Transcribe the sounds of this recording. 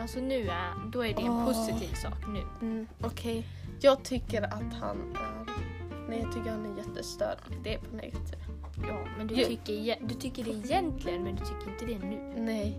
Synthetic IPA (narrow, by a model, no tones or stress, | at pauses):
alsɔnʉ̟ːd̪ɔæɖɛɛnpʰʊsɪt̪ʰiːvsɑ̰ːknʉ̟ːɔkʰɛj | jɑːɡ̚t̪ʰʏkːəɾat̪ha̰næɾnɛjɑːt̪ʰʏkːəɾhanæɾjɛt̪ːəst̪œ̰ɾd̪̥ɛæɾpʰɔnɛ̰t̪ | jɑːmɛnd̪ɵt̪ʰʏkːəɾɛd̪ɵt̪ʰʏkːəɖɛːjɛnt̪ʰlɪɡənmɛnd̪ɵt̪ʰʏkːəɾɪnt̪əd̪ɛnʉ̟ːnɛ